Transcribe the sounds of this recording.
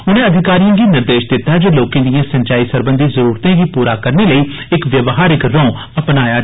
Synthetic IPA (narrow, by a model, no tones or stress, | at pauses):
ʊnẽːəd̪ʱɪkaːɾijãːɡiːnɪɾd̪eːʃd̪ɪt̪ːaːd͡ʒoːloːkẽːd̪ijãːsə̃ɲt͡ʃaːiːsəɾbə̃nd̪iːzəɾuːɾt̪ẽːɡiːpuːɾaːkəɾneːləiːɪkʋjəʋɦaːɾɪkɾɔ̃ː | əpnaːjaː